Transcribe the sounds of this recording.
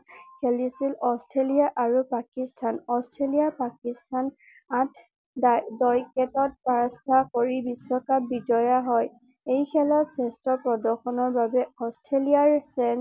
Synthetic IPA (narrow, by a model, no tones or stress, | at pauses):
kʰelisilɔstʰɹelijaʔaɹupakistʰanɔstʰɹelijapakistʰan | atʰ | dɔjkɛtɔt̚paɹɔstʰakoɹibisɔkabid͡ʒɔjaɦɔj | ejkʰɛlɔsɛstɹɔpɹɔdɔxɔnɔɹbabɛɔstʰɹeliaɹsɛn